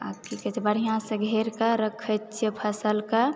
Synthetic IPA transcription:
a̰kikɛt͡ʃʰibəɽ̤ijãsə̃ɡʱeɾkaɾəkʰət͡ʃʰipʰəsəlka

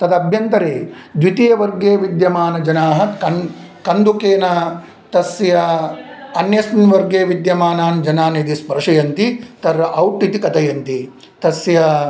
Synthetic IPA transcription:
t̪ɐd̪ɐbʱjɐnt̪ɐɾeːd̪ʋit̪ijɐʋɐɾɡeːʋid̪jɐmaːnɐd͡ʒɐnaːɦɐ̆kɐn | kɐnd̪ukeːnɐ | t̪ɐsjɐ | ɐnjɐsnʋɐɾɡeːʋid̪jɐmaːnaːnd͡ʒɐnaːned̪ispɐɾɐʂɐjɐnt̪it̪ɐɾːɐʔɐwʈːit̪ikɐt̪ɐjɐnt̪i | t̪ɐsjɐ

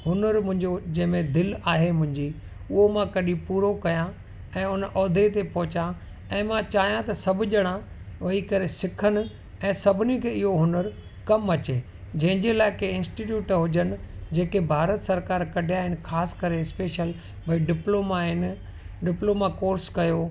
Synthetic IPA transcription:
ɦʊnəɾmʊ̃ɦɪ̃ɲd͡ʑod͡ʑɐ̃ɦɪ̃mẽd̪ɪlaːɦemʊ̃ɦɪ̃ɲd͡ʑi | ʊɦomãkɐɗĩpuːɾokɐjã | ɛ̃ːʊnʔɔːd̪ʱet̪epɔɦʊt͡ɕã | ɛ̃ːmãt͡ɕaːɦijãt̪ɐsɐbʱʊʄɐɽ̃ã | ʋɐɦikɐɾesɪkʰənɪ̆ | ɛ̃ːsɐbʱɪnikʰeːɪɦoɦʊnəɾ | kɐmɐt͡ɕeː | d͡ʑɐ̃ɦɪ̃ɲd͡ʑelaːɪkeɪ̃nsʈiːʈ̬juːʈɦʊd͡ʑənɪ̆d͡ʑeːkebʱaːɾət̪sɐɾkaːɾkɐɖʱɪjaːɦɪnɪ̆xʰaːsɪ̥kɐɾeɪspeːʃəl | bʱɐiɖɪploːmaɦɪn | ɖɪploːmakoːɾskɐjo

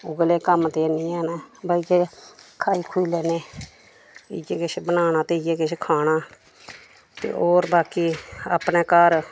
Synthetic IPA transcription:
ʊɡleːkəmt̪eːniːɛːnɛːbaːid͡ʒeːkʰaːiːkʰuiːlɛːneː | ɪɡeːkɪt͡ʃʰːbənaːñãːt̪eːɪjeːkɪt͡ʃʰːkʰaːɽaː | t̪ḛːʔoːɾbaːkiːa̰ːpneːkaːɾ

